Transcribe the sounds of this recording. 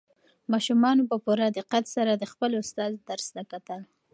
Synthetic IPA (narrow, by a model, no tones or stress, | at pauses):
mɑʃumɑnopəpuɾad̪əqat̪saɾad̪əxpəlʊst̪ɑzd̪aɾsnakat̪əl